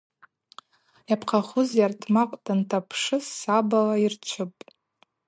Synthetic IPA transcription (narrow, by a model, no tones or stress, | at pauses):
japʰqʰaχʊzjartʰmaqʷʼdantʰapʰʂɨsabalairt͡ʃʷʰɨpʼ